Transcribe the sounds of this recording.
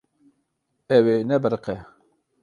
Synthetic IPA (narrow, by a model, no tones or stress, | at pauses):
ɛwenɛbəɾqɛ